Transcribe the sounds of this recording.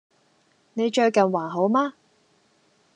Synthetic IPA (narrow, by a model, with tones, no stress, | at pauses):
ne˨˧jt͡ʃœː˧kɐ˨˩nwaː˨˩nɦo˨˥wmaː˥